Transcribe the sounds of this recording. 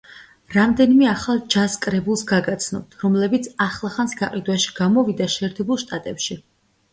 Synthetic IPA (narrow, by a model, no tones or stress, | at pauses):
ɾamd̪ɛnimɛaχalˠd͡ʒaskʼɾɛbulˠsɡaɡat̪sʰnɔb̚t̪ʰɾɔmlɛbit̪sʰaχlˠaχansɡaqʼid̪waʃi̥ɡ̥amɔvid̪aʃɛːɾt̪ʰɛbulˠʃt̪ʼat̪ʼɛpʃi